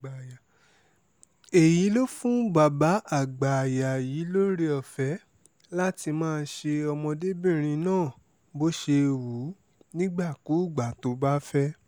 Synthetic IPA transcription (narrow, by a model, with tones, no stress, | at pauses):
a˨ja˨ | e˨ji˨˦lo˦fũ˦ba˨ba˨˦a˦˨ɡ͡ba˨ja˨jiː˨˦lo˦ɾe˧ɔ˧˨fɛ˨˦ | la˦ti˧mãː˦˧˦ʃe˧ɔ˧mɔ̃˧de˦bĩ˦˨ɾ̃ĩ˧nãː˦˨ | bo˦ʃe˧wu˨˦ | nĩ˦ɡ͡ba˦˨ku˨˦˨ɡ͡ba˨to˨˦ba˦fɛ˦